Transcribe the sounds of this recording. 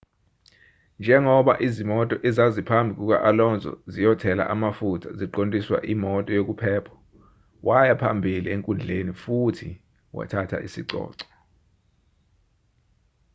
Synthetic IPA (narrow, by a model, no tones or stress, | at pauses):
nd͡ʒʱɛŋɔɓa̰ʔizimɔtʼɔʔɛzazipʰambʱik̬ʼuk̬a̰ʔalɔnd͡zʱɔ̰zijɔtʰɛla̰ʔamafutʰaziǃontʼiswa̰ʔimɔtʼɔjok̬upʰɛːpʰɔ̥ | wʔajapʰambʱilieŋkʼund͡ɮʱenifutʰi | wa̰tʰatʰa̰ʔisiǀɔ̰ːǀɔ̥